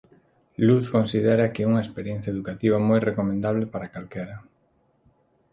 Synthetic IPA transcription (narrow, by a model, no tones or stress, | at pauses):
luθkonsiðɛɾɐkeuŋɐespeɾjẽn̟θjɐeðukat̪iβ̞ɐmojrekomẽnd̪aβ̞lepaɾakalkeɾɐ